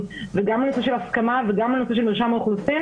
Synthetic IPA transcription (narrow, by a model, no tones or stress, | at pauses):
veɡamlenoseʃelaskamaveɡamlenoseʃ̬elmiʁʃamauχlusi